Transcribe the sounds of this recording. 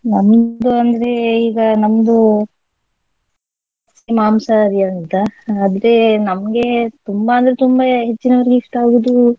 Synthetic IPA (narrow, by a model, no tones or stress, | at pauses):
nɐmd̪uɐnd̪ɐɾe̞iːɡɐnɐmːd̪u | smaːmsɐɾianit̪aːd̪ɾenɐmɡe̞t̪umbaːnd̪ɐɾet̪umbaɦet͡ʃːinɐʋɐɾɡiːfʈaːɡud̪u